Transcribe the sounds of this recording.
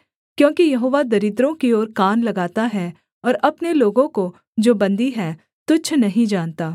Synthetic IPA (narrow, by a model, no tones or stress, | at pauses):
kjõːkijɐɦoːʋad̪ɐɾɪd̪ɾõkioːɾkaːnlɐɡaːt̪aɦɛ | ɔːɾɐpneloːɡõko | d͡ʒoːbɐ̃nd̪iɦɛː | t̪ʊt͡ʃʰnɐɦĩd͡ʒaːnt̪aː